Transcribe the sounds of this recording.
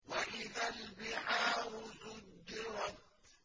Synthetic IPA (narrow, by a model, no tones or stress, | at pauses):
waʔɪðalbɪʕaːhʊsʊdːɪɾɑt̪̚